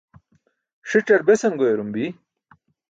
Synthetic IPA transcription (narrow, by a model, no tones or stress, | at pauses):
ʂiʈ͡ʂɐɾbesɐmɡojeɾumbi